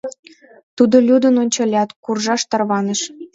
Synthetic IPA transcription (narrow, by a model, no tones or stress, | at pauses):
t̪ud̪olʲud̪ə̆nonʲt͡ɕɑlʲɑt̪kurʒɑʃt̪ɑrβɑnə̆ʃ